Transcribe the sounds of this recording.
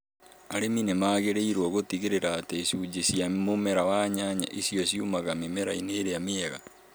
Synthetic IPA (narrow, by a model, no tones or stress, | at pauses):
aɾeminemaːɣeɾeiɾwɔɣotiɣeɾeɾaːtesud͡ʒesiamomeɾawaɲaɲa̰ʔisiɔsiumaɣamemeɾaineːɾeameɛɣa̰